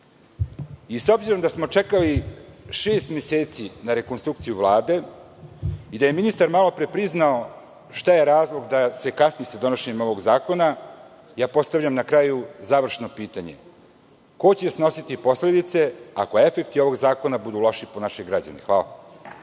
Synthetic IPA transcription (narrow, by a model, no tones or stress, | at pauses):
iso̞bziɾo̞md̪asmo̞t͡ʂe̞kaliʃeːst̪meseːt̪sinaɾe̞konst̪ɾukt̪sijuʋlˠaːd̪e̞ | id̪ajeminist̪aɾmalˠo̞pɾe̞pɾiznao | ʃt̪ajeɾaːzlˠo̞ɡd̪ase̞kasnijesad̪o̞noʃeɲemo̞ʋoɡzaːko̞na | jaːpo̞st̪aʋʎamnakɾaːjuzaʋr̩ʃno̞piːt̪aɲe̞̰ | ko̞t͡ɕesno̞sit̪ipo̞sle̞d̪it̪se̞a̰koe̞fe̞kt̪io̞ʋo̞ɡzaːko̞nabud̪ulo̞ʃiponaʃeɡɾad͡ʑa̰nexʋaːla̰